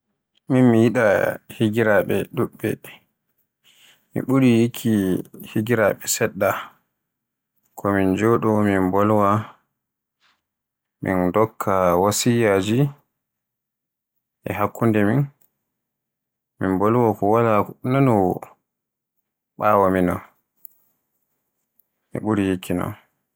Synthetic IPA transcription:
minmijiɗahiɡiɾaɓɛɗuɓːɛ̰ | mḭɓuɾijikʰːihiɡiɾaɓɛsɛɗːa | kʰɔmind͡ʒoɗɔminbɔlwa | mḭndɔkʰːawasijad͡ʒi | ʔɛ̰ɦakːundɛmin | mimbɔlwakɔwalananɔw | ɓawaminɔ̰ | mḭɓuɾijikʰːinɔ̰n

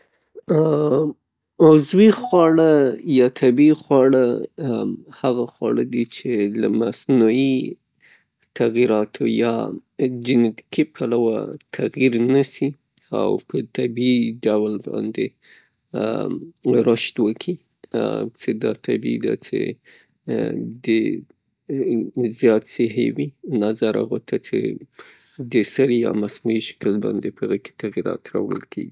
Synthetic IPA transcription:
mazwixwɑɽajɑt̪ʰabixwɑɽə | haɣaxwɑɽəd̪it͡ʃelamasnui | t̪aɣiɾɑt̪ʰojɑ̰ | d͡ʒɪnet̪ɪ̥kipʰalawa̰t̪ʰaɣjiɾnasi | a̰wpʰət̪abiɖawlbɑ̰nd̪e | ɾəʃt̪wəkʰi | t͡sed̪ɑ̰t̪ʰabid̪a̰t͡ʃḛ | d̪ə | zjɑt̪sɪɦḛwinazaɾa̰ɣot̪ʰat͡sḛ | d̪əsaɾjɑ̰masnuiʃə̥kəlbɑnd̪epəɣəke̥t̪aɣiɾɑ̰t̪ɾawə̰lkʰeɡi

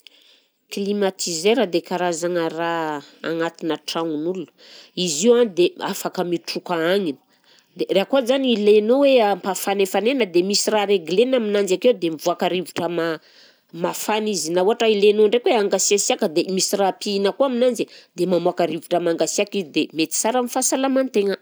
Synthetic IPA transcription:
klimat̪ʰizeɾad̪ekaɾazaŋəraa̰ŋat̪inəʈ͡ʂaŋunulunə | iziwanid̪eafakəmiʈ͡ʂukaaŋinə̥ | d̪ereakozaniilenoweampafanefanenəd̪emisiraɾeɡlenaminand͡zakewd̪emivuakaɾiviʈ͡ʂəma | mafanizinauɦaʈ͡ʂailenoɳɖ͡ʐekweaŋɡasiasiakəd̪emisirapiinəkuaminand͡zid̪emamuakaɾiviʈ͡ʂəmaŋɡasiakizid̪emet̪i̥saɾamifasalamant̪eŋə

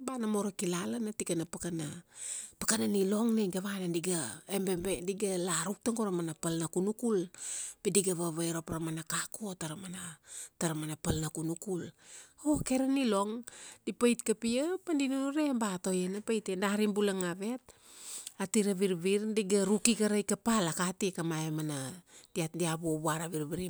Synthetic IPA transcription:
banamoɾokilalanatikanapakanapakananilo̞ŋneɡaβanandiɡaembembediɡalaɾuk̚taŋɡoɾamanapalnakunukulpidiɡaβaβajɾopɾamanakakotaɾamanataɾamanapalnakunukuloke̞ɾanilo̞ŋd̥ipajtkapiəpandinuuɾe̞mbato̞jenapajtendaɾimbulaŋaβe̞t̚ | atiɾaβiɾβiɾdiɡaɾukikaɾajkapalakatikamaemanad̥iadiaβuobuaɾaβiɾβiɾi

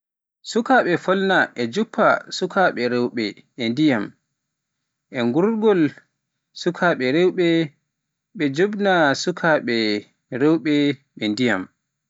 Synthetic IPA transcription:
sukaɓɛfɔlnaʔɛd͡ʒupʰːasukʰaɓɛɾɛwɓɛ | ɛndijam | ʔɛŋɡuɾɡɔl | sukʰaɓɛɾɛwɓɛ | ɓɛd͡ʒobnasukʰaɓɛ | ɾɛwɓɛɓɛndija̰m

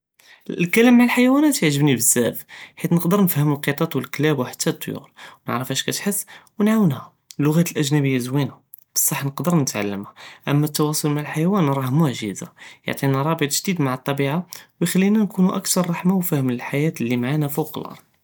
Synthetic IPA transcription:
lkælæmːaʕalħajwænæt̪jəʕʒəbnibəzːæfħit̪nəqd̪əɾnəfhəməlqet̪ˤɑt̪ˤwəlklæbwħḁt̪ʰːæt̪ˤːjṵɾwnə̰ʕɾəfhæʃkæt̪ħəsːwnʕawənhæ | lːʊɣæt̪əlʔæʒnæbəjːazwinæ | b̥ə̥sˤːɑħːnəqd̪əɾnət̪ʕa̰lːəmhæʔəmːæt̪ːɑwɑsˤʊlmaʕalħajæwænɾˤɑhmʊʕʒiza̰jo̰ʕt̪ˤinæɾˤɑbət̪ˤʒd̪id̪maʕət̪ˤːɑbiʕawjxælːinænkunuʔækt̪ɑɾˤːɑħmawfæhəmləlħajæt̪lːimaʕanæfuklʔɑ̰ɾˤd̪̚ˤ

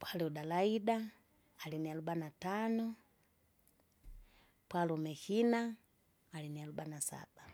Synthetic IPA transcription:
pwalɛuɗalaiɗaː | linialubanatanɔ | pwalɔmɛhinaː | linialubanasa̰ɓ̥a

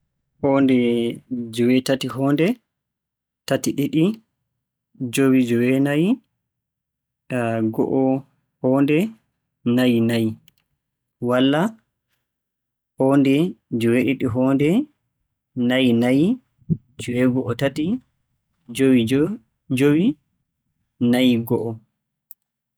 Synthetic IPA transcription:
hɔndɛd͡ʒɔwɛtatiɦɔːndɛ | tatiɗiɗi | d͡ʒowid͡ʒɔwɛnaji | ɡɔ̰ʔɔ | hɔːndɛ | najinaji | walːa | hɔndɛd͡ʒɔwɛɗiɗiɦɔndɛ | najnaji | d͡ʒɔwɛɡɔʔɔtati | d͡ʒowi | d͡ʒowi | najɡɔʔɔ

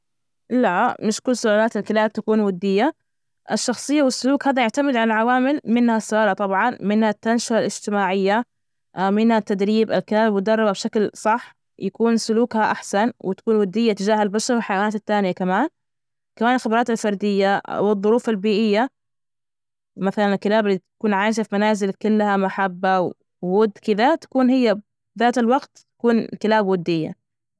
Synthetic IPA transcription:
lamɪʃkʊlːsʊʔaːlaːt̪ɪlkɪlaːb̚t̪akuːnwad̪ːɪjːa | ʔɪʃːɑxsˤɨjːawɪsːʊluːkhaːd̪ajaʕt̪amɪd̪ʕalalʕawaːmɪlmɪnhasːʊʔaːlat̪ˤɑbʕɑnmɪnhat̪ːanʃaalɪd͡ʒt̪ɪmaːʕɪjːa | mɪnhat̪ːad̪ɾiːba̰lkɪlaːbabmʊd̪ɑrˤːɑbabʃaklsˤɑħ | jakuːnsʊluːkhaʔaħsanwɪt̪ḁkuːnwad̪ːɪjːat̪ɪd͡ʒaːhalbaʃɑɾˤwɪlħajawanaːt̪ɪt̪ːaːnɪjakamaːn | kamaːnɪlxɪbɑɾˤɑːt̪alfɑɾˤd̪ɪjːaʔa̰wɨðˤːʊɾuːfalbiːʔɪjːa | maθalanɪlkːɪlaːbɪlːit̪ḁkuːnʕaːʃ̬afmanaːzɪlkʊlːhamaħabːaw | wʊd̪ːkɪd̪at̪ḁkuːnhɪjːa | ðaːt̪alwɑɡt̪t̪ḁkuːnkɪlaːbwʊd̪ːɪjːa̰

